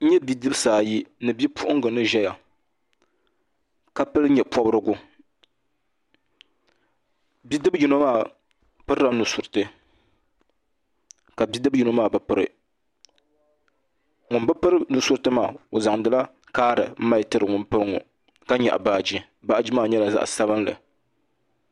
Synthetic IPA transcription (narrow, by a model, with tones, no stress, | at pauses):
ɲɛ˦bi˦dɨ˦bsaː˨ji˦nɨ˨bi˦pʰʊ˦ʔʊ˦ŋ˦ɡɨ˨nɨ˦ʒɛ˦ja˨ | ka˦pɨ˦lɲɛ˨pɔ˦bɾɨ˦ɡʊ˦ | bi˦dɨ˦bji˦no˦maː˦˨ | pɨ˦ɾɾa˦nu˨sʊ˨ɾɨ˨tɨ˦ | ka˨bi˦dɨ˦bi˦no˦maː˦˨bɨ˨pɨ˦ɾɨ̰˨ | ŋʊ˨nbɨ˦pɨ˦ɾɨ˦nu˨sʊ˦ɾɨ˦tɨ˦maː˨o˨za˨ŋdɨ˨˦la˦ | kaː˦ɾɨ̰˨m̩˦ma˦ɪ˦tɨ˦ɾɨ˨ŋʊ˨npɨ˦ɾɨ˦ŋʊ̰˨ | ka˦ɲɛ̰˨ʔbaː˨˦d͡ʒi˦ | ba˦ʔd͡ʒi˦maː˦˨ɲɛ˦la˨za̰˦ʔsa˦βɨ˦nlɨ̰˨